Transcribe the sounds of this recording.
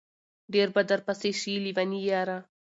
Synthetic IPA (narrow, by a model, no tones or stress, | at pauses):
ɖeɾbad̪aɾpaseʃilivanijaɾa